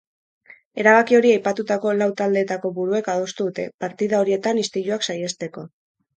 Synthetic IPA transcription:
e̞ɾaβakio̞ɾiajpat̪ut̪ako̞lawt̪ald̪e̞ːt̪ako̞βuɾue̞kaðo̞st̪uðut̪e̞paɾt̪iðaoɾie̞t̪anist̪iʎuaksaje̞st̪e̞ko̞

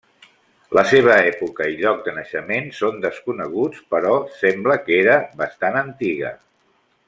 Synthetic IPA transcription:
ləseβ̞əɛpukəiʎɔk̚d̪ənəʃəmensond̪əskunəɣ̞ut͡spəɾɔsɛmbləkeɾəβəst̪anənt̪iɣə̰

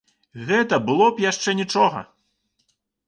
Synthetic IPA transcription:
ɣɛt̪ɐbɨlˠɔpjaʂt͡ʂɛnʲit͡ʂɔɣɐ̰

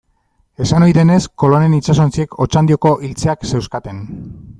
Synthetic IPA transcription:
e̞sano̞jðe̞ne̞sko̞lo̞ne̞nit͡ʃaso̞nt͡sie̞kʰo̞t͡ʃand̪io̞ko̞ʔilt͡se̞akse̞wskat̪e̞n

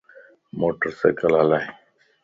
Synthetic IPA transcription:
moːʈəɾsḛːkəlalaːi

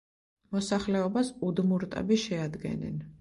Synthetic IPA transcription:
mɔsaχlɛɔbasud̪muɾt̪ʼɛ̰biʃɛad̪ɡɛ̰nɛ̰n

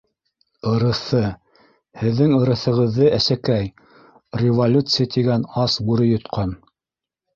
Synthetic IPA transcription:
ɤ̆ɾɤ̆θɤ | hɘ̆ðːɘŋɤ̆ɾɤ̆θɤ̆ʁɤ̆ðːɤʔæsækæj | rʲɪvolʲut̪sɨjat̪iɡænɑsbuɾɘjŏt̪qʰɑn

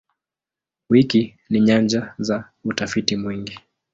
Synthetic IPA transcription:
wiki | niɲand͡ʒaza | utafitimwiŋɡi

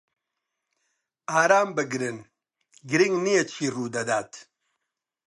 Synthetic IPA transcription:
aːɾaːmbɨɡɾɨn | ɡɾiŋnijet͡ʃʰiːruːd̪ɐd̪aːt̪ʰ

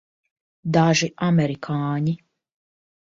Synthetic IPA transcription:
d̪aʒiʔamɛɾikʰaːɲi

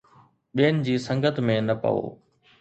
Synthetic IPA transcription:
ɓijənɪ̆d͡ʑiːsɐ̃ŋɡət̪mẽnɐpɐ̰ʋo̰ː

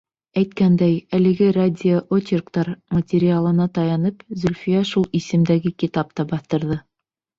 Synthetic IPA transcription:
æjt̪kænd̪æjælɘ̆ɡɘradʲioʔotʲɪrkt̪ɑɾmətʲeɾʲɪalˠɤ̆nɑt̪ɑjɑnɤpzɵlʲfʲijɑʃulˠisɘ̆md̪æɡɘkʲit̪ap̚t̪ɑbɑθt̪ɤ̆ɾðɤ

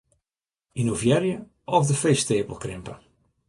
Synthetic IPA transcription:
inovjɛrjə | ɔfdəfeːsteːpə̰lˠkrɪmpə̰

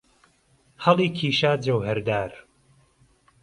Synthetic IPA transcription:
hɐlˠiːkʰiːʃaːd͡ʒɐwhɛɾd̪aːɾ

